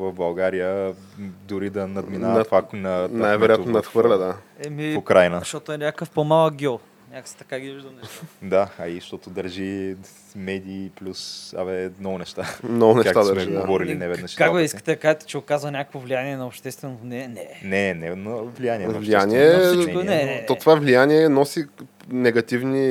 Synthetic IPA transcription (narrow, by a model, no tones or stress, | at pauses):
vɐvbɐlˠɡaɾijə | d̪ʊɾid̪ɐnɐd̪minat̪vanɐnnajvɛɾojat̪nonɐt̪xvɤɾlʲɐd̪a | ɛmiʊkɾajnəʃot̪oɛnʲakkəfpomalˠəɡʲɔ | nʲaksɛ̥t̪ɐkaɡiviʒd̪ɐnɛd̪aɐiʃt̪ɔt̪ʊd̪ɐɾʒi | mɛd̪iːplʲusa̰vɛmnɔɡʊnɛʃt̪amnɔɡʊnɛkʃakt̪ad̪ɐɾmɛʒid̪ɡovɔɾilinɛvɛd̪əʃkakvɛiskə̥t̪ɛkaʒɛt̪ɛ̥t͡ʃɛʊkazvɐnʲakəkvovlʲijaniɛnɐopʃt̪ɛst̪vɛnovnɛnɛnɛnɛnɐvlijanʲiɛɐovlʃʲijaniɛɛnɛt̪oovavlijaniɛnɔsi | nɛɡɐt̪ivni